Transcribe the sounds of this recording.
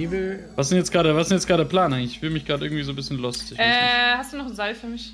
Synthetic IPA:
iːblvas̬z̥ɪntjɛt͡sɡ̥ʁaːɾəɐvasɪsnjɛt͡sɡ̥ʁaːɾədeːɐpl̥aːnʔaɪɡŋ̩lɪçɪçfvɪːəmɪçɡ̥ʁaːdəʔɪɐɡŋ̩tv̥izoːbɪsçənlʊstɪçɛːhastd̥uːnɔχn̩zalfyːɐmɪç

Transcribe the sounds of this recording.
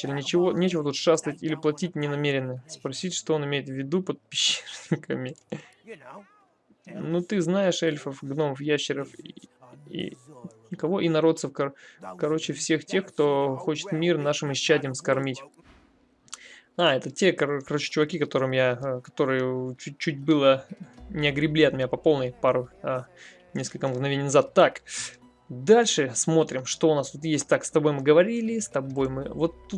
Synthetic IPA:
ɪlʲɪnʲɪt͡ɕɪvo̞nʲet͡ɕɪvət̪ut̪ʂast̪əətʲilʲɪplˠɐtʲit̚ʲnʲɪnɐmʲeɾʲɪnːəspɾɐsʲitʲʂt̪oonɪmʲejɪt̪vʲːɪd̪upət̪̚pʲɪɕːernʲɪkəmʲɪ | nut̪ɨznajɪʂɛlʲfəfɡno̞məfjaɕːɪɾəf | ḭ | kɐvo̞ʔinɐɾo̞t̪səfkɐkɐɾo̞t͡ɕɪfsʲe̞xtʲe̞xkt̪o̞xo̞t͡ɕɪ̥t̪mʲirnaʂɨmɪædʲɪjəmskɐrmʲitʲ | aɛt̪ətʲe̞kɐkɐɾot͡ɕɪ̥t͡ɕʊvɐkʲikɐt̪o̞ɾɨmjakɐ̥t̪o̞ɾɨjət͡ɕut͡ɕːutʲbɨlˠənʲɪɐɡɾʲɪblʲiɐt̪mʲɪnʲapɐpo̞lˠnəjpaɾʊ | nʲeskəlʲkəmɡnɐvʲenʲjnɐzat̪ːak | d̪alʲʂɨsmo̞t̪ɾʲɪmʂt̪o̞ʊnast̪ut̪jesʲt̚ʲt̪akst̪ɐbo̞jmɨɡəvɐɾʲilʲɪst̪ɐbo̞jmɨvo̞t̪ːut̪̚

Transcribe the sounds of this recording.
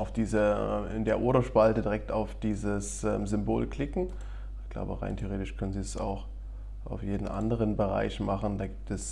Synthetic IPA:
ʔaʊfd̥iːzəɛɪndeːɐʔoːɾɐʃpaltədiʁɛk̚taʊfd̥iːzəsʔɛːmzʏmboːlkl̥ɪkŋ̩ | ɪçɡ̥la̰ʊbəʁa̰ɪntʰeoʁeːtɪʃkʰœnənziːsa̰ʊx | ʔa̰ʊfjeːdn̩ʔa̰ndəʁənbəʁa̰ɪçmaχn̩daːɡiːp̚tɛs

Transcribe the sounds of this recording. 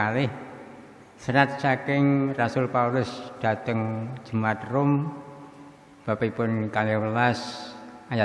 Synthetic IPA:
alɪh | səɾat̪̚t͡ʃakɪŋrasʊlpaulʊsd̥a̤t̪əŋ̥d͡ʒ̥ə̤mat̪rʊm | b̥a̤pipʊnkalɪhwəlasaja

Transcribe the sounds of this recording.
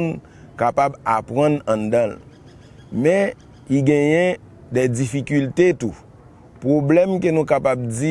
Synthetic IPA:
n | kapabapɣʌ̃nãd̪ʌ̃l | mɛ̃ | iɡɛ̃jɛ̃ | dɛd͡zifikylt̪et̪u | pɣoblɛmkenũkapab̚d͡zi

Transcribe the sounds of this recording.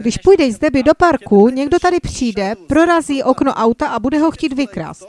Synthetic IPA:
ɡdɪʃpujdɛjzdɛbɪdo̞paɾkuɲɛɡdo̞t̪adɪpr̝̥iːdɛpɾo̞ɾaziːʔo̞kno̞ʔawt̪aʔabudɛɦo̞xciːt̪vɪkɾa̰st̪

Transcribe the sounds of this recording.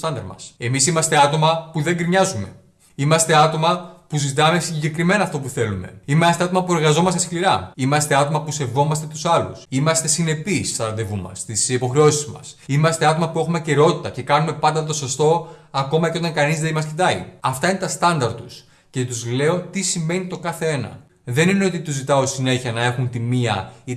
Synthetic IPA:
t̪ɐnd̪ɐɾmɐ̰semisimɐst̪e̞ɐt̪o̞mɐpuðe̞ŋɡɾiɲɐzume̞̰ | imɐst̪e̞ɐt̪o̞mɐpuzit̪ɐme̞siɲɟe̞kɾime̞nɐːft̪o̞p̬uθe̞lume̞̰imeɐst̪eɐt̪o̞mɐpueɾɣɐzo̞mɐst̪e̞skliɾɐimɐst̪e̞ɐt̪o̞mɐpuse̞vo̞mɐst̪e̞t̪usɐlṵsimɐst̪e̞sine̞pisst̪ɐnɐðe̞vumɐ̰st̪isipo̞xɾe̞o̞sizmɐ̰simɐst̪e̞ɐt̪o̞mɐpue̞xumece̞ɾo̞t̪it̪ɐce̞kɐnume̞pɐnd̪ɐt̪osost̪o̞ɐko̞mɐceo̞t̪ɐŋkɐnizðeimɐscit̪ɐiɐft̪ɐine̞t̪ɐst̪ɐnd̪ɐɾt̪us | ce̞t̪uzle̞o̞t̪isime̞nit̪o̞kɐθe̞e̞nɐ̰ | ðe̞nine̞o̞t̪it̪uzit̪ɐosine̞çiɐnɐe̞xunt̪imiɐ̰i

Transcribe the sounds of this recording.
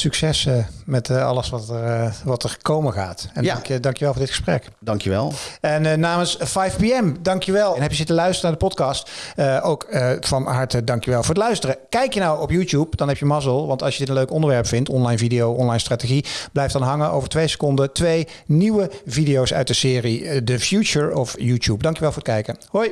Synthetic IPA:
syksɛsmɛtɑ̰ləsʋɑtəʋɑtəɹkowməχa̰ːtɛndŋdɑŋkjəʋɛlˠvʊɹdɪtχə̥sprɛ̰k | dɑŋkəʋɛ̰lˠɛnnaːmənsfajfpiɛmdɑŋkjəʋɛlˠɛnɦɛpjəzɪtəlœɥstərənaːɹdəpɔtkɑstʔowkəfɑnɦɑɹtədɑŋkjəʋɛlˠvʊːɹətlœɥstərəkɛjkjənɑwɔpjutupd̥ɑnɦɛpjəmɑzəlˠʋɑntɑlˠʃjədɪtə̃nløɥkɔndəɹʋɛɹpfɪntɔnlɑjnvidijowɔnlɑjnstraːteɣib̥lɛjftdɑnɦɑŋənʔo̰wvəɹtʋejsə̥kɔndətʋej | niwəvidijowsœ̰ɥt̚dəsɪːridəfjut͡ʃəɹɔfjutuːp̚dɑŋkjəʋɛlˠvʊːɹət̚kɛjkəhoj

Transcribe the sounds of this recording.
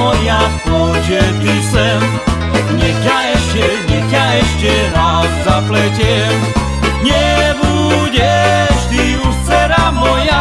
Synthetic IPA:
ɔja | ɔʒɛt̪isɛm | ɲɛkjaɛʃcɛɲɛkaɛʃcɛɾazzaplɛcɛm | ɲɛbu | ɟɛʃt̪i | ut͡sɛɾamɔja

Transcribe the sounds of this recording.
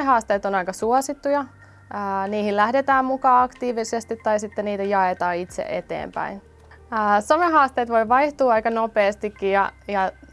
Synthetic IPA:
ehɑːst̪eːt̪onɑikɑsuosit̪ːujɑː | niːhillæhdet̪æːmmukɑːɑkt̪iːʋisest̪it̪ːɑisit̪ːeniːt̪æjɑet̪ɑːit̪sḛʔḛt̪ḛːmpæ̰inː | someɦɑːst̪eːt̪ʋo̞jʋɑiht̪uːɑikɑnopeːst̪ikːijɑjɑ

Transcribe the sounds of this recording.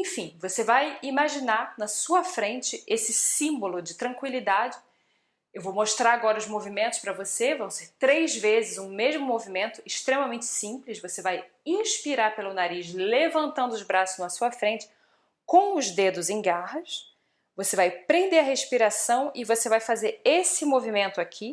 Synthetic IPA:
ẽfĩvosevajimaʒinaɾnɐsuɐfɾẽnt͡ʃɪesɪsĩmbolʊd͡ʒɪt̪ɾɐ̃ŋkwilid̪ad͡ʒɪ | ewvowmoʃt̪ɾaɾaɡɔɾɐʊzmovimẽnt̪ʊ̥ʃpɾɐvosevɐ̃w̃seɾt̪ɾejzvezɪzũmeʒmʊmovimẽnt̪ʊɪʃt̪ɾemɐmẽnt͡ʃɪ̥sĩplɪʃvosevaj | ĩʃpiɾaɾpelʊnaɾiʃlevɐ̃nt̪ɐ̃nd̪ʊʊzbɾasʊzñɐsuɐfɾẽnt͡ʃɪ̥ | kõw̃ʊzd̪ed̪ʊzẽj̃ɡaɦɐs | vosevajpɾẽnd̪eɾɐɦeʃpiɾasɐ̃w̃ɪvosevajfazeɾesɪmovimẽnt̪ʊakʰi

